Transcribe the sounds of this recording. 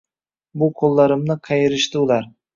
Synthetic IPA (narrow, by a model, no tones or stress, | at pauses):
bʊqʰolˠːɑɾɪmnɪqʰɑjɪɾɪʃt̪ɪʊlˠaɾ